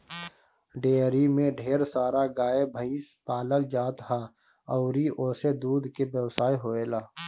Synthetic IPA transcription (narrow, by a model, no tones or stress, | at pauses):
ɖeːɾimẽɖʱeːɾsaːɾaɡaːebʱəispaːləld͡ʒaːt̪ɦa | ɔʊɾiʔoːsed̪uːd̪ʱkebjəwsaːiɦoːeːlaː